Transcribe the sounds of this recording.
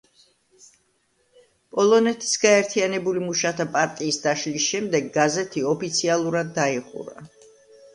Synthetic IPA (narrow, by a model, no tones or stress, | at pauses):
pʼɔlˠɔnɛt̪ʰi̥sɡaɛɾt̪ʰianɛbulimuʃat̪ʰapʼaɾt̪ʼiːsd̪aʃlisʃɛmd̪ɛɡːazɛt̪ʰiɔpʰit̪sʰialˠuɾad̪ːaiχṵɾa̰